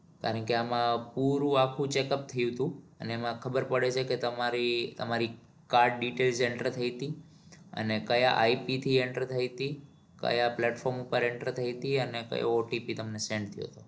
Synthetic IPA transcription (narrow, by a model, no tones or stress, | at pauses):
kja̰ɾəɳkeamãpuɾũakʰũt͡ʃekəp̚t̪ʰəjũt̪ũəneːmãkʰəbəɾpəɽet͡ʃʰeket̪əmaɾit̪əmaɾi | kaɾɖɖiʈelseɳʈɾəɾt̪ʰəit̪i | ə̰nekəjaʔaipit̪ʰieɳʈɾəɾt̪ʰəjt̪i | kə̰japlɛʈfɔɾmupəɾeɳʈɾəɾt̪ʰəit̪iənekə̰jo̰ːʈipit̪əmnesẽɳɖt̪ʰəjo̰t̪o